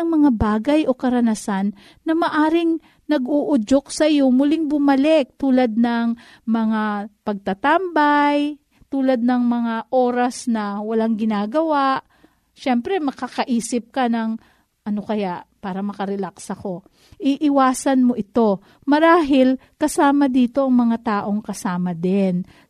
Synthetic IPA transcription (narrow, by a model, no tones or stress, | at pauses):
ɐŋmɐŋabaːɡɐjʔo̞kɐɾɐnɐsanː | ɐmɐʔaːɾɪŋ | nɐɡuʔʊd͡ʒok̚sɐʔɪjo̞mʊlɪŋbʊmɐlɛk̚t̪uːlad̪̚nɐŋ | mɐŋapɐɡ̚t̪ɐt̪ambaj | t̪uːlɐd̪̚nɐŋmɐŋaʔo̞ːɾɐsnɐwɐlaŋɡɪnaːɡɐwaʔ | ʃɛmpɾɛmɐkakɐʔiːsɪp̚kɐnɐŋ | ʔɐno̞kɐjaʔpaːɾɐmɐkɐɾɛlaksɐko̞ | ʔiʔɪwaːsɐnmo̞ʔɪt̪o̞ | mɐɾaːɦɪl | kɐsaːmɐd̪iːt̪o̞ʔɐŋmɐŋat̪aːʔo̞ŋkɐsaːmɐd̪ɛn